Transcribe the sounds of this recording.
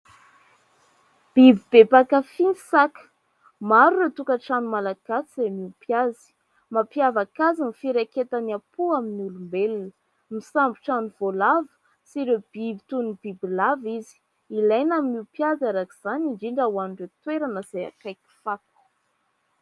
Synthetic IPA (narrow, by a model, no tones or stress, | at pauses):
b̥ibib̥epakafinsakə̥ | maɾuɾet̪ukəʈ͡ʂanumalaɡ̥asizemiupjazi̥ | mapjavakazinifiɾeket̪anapuaminulumbelnə | misambiʈ͡ʂanuvolavə̥ | siɾeb̥ibit̪unib̥ibilavizi̥ | ilajnamimiupjazaɾakiz̥anindiɳɖ͡ʐawanuɳɖ͡ʐet̪weɾanəz̥aja̰kajki̥fak̪u̥